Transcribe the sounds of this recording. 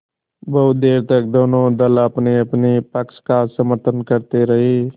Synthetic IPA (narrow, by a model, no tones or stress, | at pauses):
bəɦʊt̪̚d̪eːɾt̪ək̚d̪oːnõd̪ələpneəpnepəkskasəməɾt̪ʰənkəɾt̪eɾəɦeː